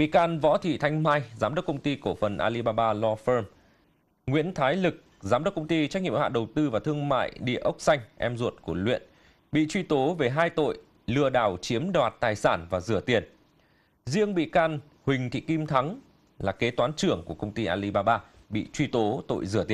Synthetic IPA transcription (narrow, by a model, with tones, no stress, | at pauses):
ɓḭ˧˨kaː˧nvɔ̰˧˥t̪ʰḭ˧˨t̪ʰa˧jŋ̟maː˧jzaː˨˦mɗə˦˥k͡p̚kə˧wŋ͡mt̪i˧ko˧˩fə˨˩nʔaː˧li˧ɓaː˧ɓaː˧lɔ˧fəː˧m | ŋwḭ˧˥ənt̪ʰaː˨˦jlɨ˨˩k̚zaː˨˦mɗə˦˥k͡p̚kə˧wŋ͡mt̪i˧t͡ɕa˦˥k̚ŋḭ˧˨ə˨˩haː˧˨ɗə˨˩wt̪ɨ˧vaː˨˩t̪ʰɨ˧əŋma̰ː˧˨jɗḭ˧˨əʔə˦˥wk͡p̚sa˧jŋ̟ʔɛ˧mzṵ˧˩ət̚ku˧˩əlwḭ˧˨ən | ɓḭ˧˨t͡ɕwi˧t̪o˨˦ve˨˩ɦaː˧jt̪o̰˧˨j | lɨ˧˩əɗaː˧˩wt͡ɕi˨˦əmɗwaː˨˩t̚t̪aː˨˩jsaː˧˩nvaː˨˩zɨ˧˩ət̪i˨˩ən | zi˧əŋɓḭ˧˨kaː˧n | hwï˨˩ŋ̟t̪ʰḭ˧˨ki˧mt̪ʰa˨˦ŋ | laː˨˩ke˨˦t̪waː˨˦nt͡ɕɨ˧˩əŋku˧˩əkə˧wŋ͡mt̪i˧ʔaː˧li˧ɓaː˧ɓaː˧ | ɓḭ˧˨t͡ɕwi˧t̪o˨˦t̪o̰˧˨jzɨ̰˧˩ət̪i˨˩